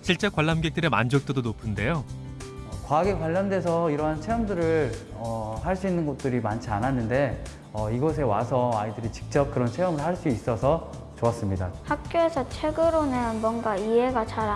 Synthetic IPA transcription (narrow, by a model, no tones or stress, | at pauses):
ɕʰiɭt͡ɕ͈e̞kwaɭːamɡek̚t͈ɯɾema̰nd͡ʑʌk̚t͈odonopʰɯnde̞jo | ʌkwaɡekwaʎːʌndwe̞sʰʌiɾʌɦant͡ɕʰe̞ʌmdɯɾɯɭ | ʌhaɭs͈uinːɯnɡʌt̚t͈ɯɾimant͡ɕʰiananːɯnde̞ | ʌiɡʌs̬ʰe̞wasʰʌaidɯɾit͡ɕi̥k̚t͡ɕ͈ʌp̚kɯɾʌnt͡ɕʰe̞ʌmɯɭaɭs͈uis͈ʌsʰʌ | t͡ɕoʌs͈ɯmɲidahak̚k͈joe̞sʰʌt͡ɕʰwe̞ɡɯɾonɯnmwʌnɡaie̞ɡat͡ɕaɾ